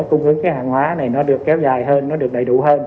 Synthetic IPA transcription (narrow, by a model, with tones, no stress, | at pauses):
jkʊ˧wŋ͡mhɨ˨˦əŋkaː˨˦jhaː˧˩nhwaː˨˦na˨˩jnɔ˨˦ɗɨ˨˩ək̚ːɛ˨˦wzaː˨˩jɦəː˧nːɔ˨˦ɗɨ˨˩ək̚ɗə˨˩jɗṵ˧˩həː˧n